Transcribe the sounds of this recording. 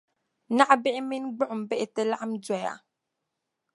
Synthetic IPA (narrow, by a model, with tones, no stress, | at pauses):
na˦ʔbɛ˦mi˦nɡ͡bɔ˦ʔm˨bɛ˦ʔte˦la˦ʔa˦md͡zwɛ˨ja̰˨